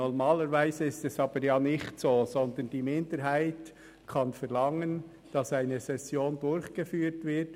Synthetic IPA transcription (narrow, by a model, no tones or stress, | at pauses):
ɔɾmaːləɾvæɪzəɪstɛsɑːb̥əɾjaːnɪçtsoːzɔnd̪ənd̥iːmɪndəɾɦaɪt | kʰɑnfɛɾlɑŋən | d̥ɑsaɪnəsɛsjoːndʊɾçɡ̥efyːtvɪɾt